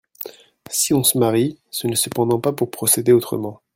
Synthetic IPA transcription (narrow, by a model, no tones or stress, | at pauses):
siɔ̃səmaʁisənəsəpɑ̃d̪ɑ̃papuʁpχɔsed̪eot̪χə̰mɑ̃